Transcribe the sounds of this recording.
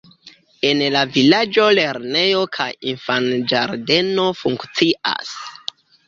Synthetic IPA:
e̞nlavilad͡ʒo̞le̞ɾne̞jo̞kʰajinfand͡ʒaɾde̞no̞fuŋkt͡siʔa̰s

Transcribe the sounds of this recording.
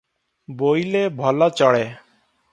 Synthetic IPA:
bojlebʱɔlat͡ʃɔɽe

